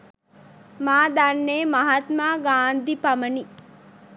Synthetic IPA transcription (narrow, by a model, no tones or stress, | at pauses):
maːd̪anːeːmɐɦat̪maːɡaːnd̪ʱipaməni